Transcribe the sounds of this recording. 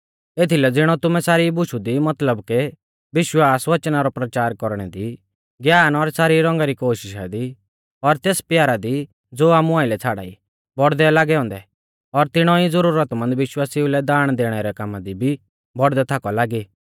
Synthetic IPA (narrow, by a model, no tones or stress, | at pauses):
eːt̪ʰilɛd͡zɪɽ̃ɔt̪ʊmɛsaːɾibʊʃud̪imɐt̪ləbkɛ | ʋɪʃwaːsʋɐt͡ʃnaɾɔpɾɐt͡ʃaːɾkɔɾɽ̃ɛ̰d̪i | ɡjaːnɔɾsaːɾiɾɔ̃ŋɡaɾikoːʃɪʃa̰d̪i | ɔɾt̪eːspjaːɾad̪i | d͡zoːaːmuaːɪlɛt͡sʰaːɽa̰ːḭ | bɔɽd̪ɛlaːɡɛɔ̃ːnd̪ɛ | ɔɾt̪ɪɽ̃ɔid͡zəɾuːɾət̪mɐ̃nd̪ʋɪʃwaːsiulɛd̪aːɽ̃d̪eːɽ̃ɛɾɛkamad̪ibʱi | bɔɽd̪ɛt̪ʰakɔlaːɡiː